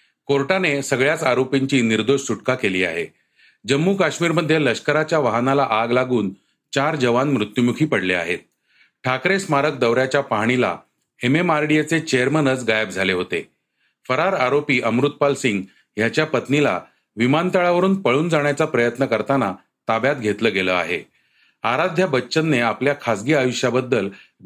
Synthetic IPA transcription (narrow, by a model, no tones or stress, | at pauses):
koɾʈanesəɡɭjat͡saɾopiɲt͡ɕiːniɾd̪oɕsuʈkakeliːa̰ɦe | d͡ʑəmːuːkaɕmiːɾməd̪ʱːjeləɕkəɾat͡ɕjaʋaɦnalaʔaɡlaɡuːn | t͡ɕaɾd͡ʑəʋanmɾut̪jumukʰiːpəɽlea̰et̪̚ | ʈʰakɾesmaɾək̚d̪əʋɾjat͡ɕjapaɽ̃ila̰ | ememaɾɽijet͡set͡ɕejəɾmənət͡sɡajəb̚d͡zʱaleɦot̪ḛ | fəɾaɾaɾopiːʔəmɾut̪̚palsiŋɡ | jat͡ɕjapət̪nila̰ | ʋimant̪aɭaʋəɾuːnpəɭuːnd͡zaɽ̃jat͡sapɾəjət̪nəkəɾt̪ana | t̪abjat̪ɡʱet̪ləːɡeləa̰ɦḛ | aɾad̪ʱjabətːt͡ɕənːeapljakʰasɡiːajuʂjabəd̪ːəl